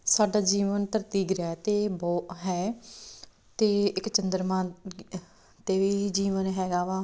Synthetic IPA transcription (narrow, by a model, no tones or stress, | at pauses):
saːɖaːd͡ʒiːʋənt̪əɾt̪iːɡɾɛːt̪eːbɔːt̪ɦɛː | t̪eːɪkt͡ʃənd̪əɾmãː | t̪eːʋiːid͡ʒiːʋənɦɛːɡaːʋaː